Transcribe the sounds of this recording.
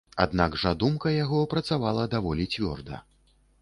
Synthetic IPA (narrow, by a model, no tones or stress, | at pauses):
a̰d̪naɡʐad̪umkɐjaɣɔpɾɐt̪savalˠɐd̪avɔlʲit͡sʲvʲɔ̰rd̪ɐ̰